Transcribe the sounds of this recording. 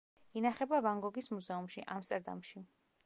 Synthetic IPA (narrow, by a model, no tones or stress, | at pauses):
inaχɛbavaŋɡɔɡismuzɛumʃiʔamst̪ʼɛɾd̪a̰mʃi